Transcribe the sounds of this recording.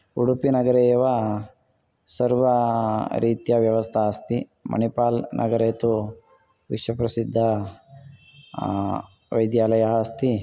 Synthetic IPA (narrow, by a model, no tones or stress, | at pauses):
uɽupinɐɡɐɾeːʋɐ | sɐɾʋɐɾiːt̪jɐʋjɐʋɐst̪ʰaɐst̪imɐ̰nipaːlnʔɐ̰ɡɐɾeːt̪u | ʋiʃʋɐpɾɐsid̪ʱːɐ | ʋɐjd̪jaːlɐjɐɦɐst̪i